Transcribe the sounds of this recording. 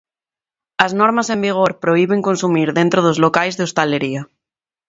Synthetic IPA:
aznoɾmasembiɣ̞oɾpɾoiβ̞eŋkonsumiɾðent̪ɾoð̞ozlokajzðeost̪aleɾia

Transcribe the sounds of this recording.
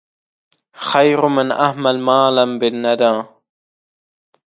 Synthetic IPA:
xɐjɾʊmɪna̰hmɐlmaːlɐmbɪnːɐd̪ãː

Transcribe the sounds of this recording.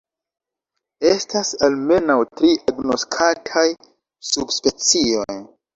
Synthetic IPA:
e̞stasalme̞nawtɾiʔaɡno̞skʰatʰaj | subspe̞t͡sio̞j

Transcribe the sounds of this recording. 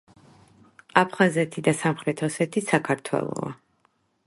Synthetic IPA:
apʰχazɛt̪ʰid̪asamχɾɛt̪ʰɔsɛt̪ʰisakʰaɾt̪ʰwɛ̰lˠɔ̰a̰

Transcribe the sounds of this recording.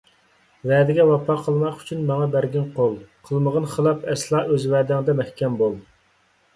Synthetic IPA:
vɛːd̪ɪɡʲɛwɑpʰɑqʰəlˠmɑqy̥t͡ʃʰynmɑŋɑbæɾɡʲinqʰolˠqʰəlˠməʁənχəlˠɑpɛslˠɑːøzvæːd̪ɪŋd̪ɛmɛhkʲʰɛmbolˠ

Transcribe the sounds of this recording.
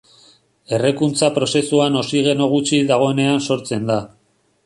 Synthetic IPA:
e̞rekunt͡sapɾo̞se̞suano̞siɣ̞e̞no̞ɣ̞ut͡ʃiðaɣ̞o̞ene̞anso̞ɾt͡se̞nd̪a

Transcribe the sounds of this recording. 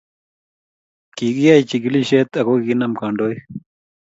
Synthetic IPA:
kiːɡijajt͡ɕiɡiliɕeːt̪ɐɡoɡinɐmkaːɳɖoːj

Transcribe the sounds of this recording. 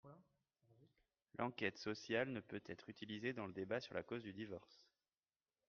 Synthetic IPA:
lʔɑ̃kʲɛt̪sɔsjalnəpøt̪ʰɛt̪χyt̪ʰilized̪ɑ̃ləd̪ebasyʁla̰kozd̪yd̪ivɔʁs

